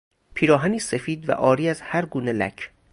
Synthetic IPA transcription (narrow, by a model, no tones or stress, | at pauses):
pʰiːɾɒːɦæniːsefiːd̪væ̰ʔɒːɾiːæzhæɾɡuːnelæ̰cʰ